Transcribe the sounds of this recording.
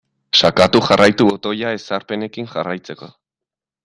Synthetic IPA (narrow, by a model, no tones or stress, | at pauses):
ʃakat̪uxarajt̪uβo̞t̪o̞jae̞saɾpe̞ne̞kiŋʝarajt͡se̞ko̞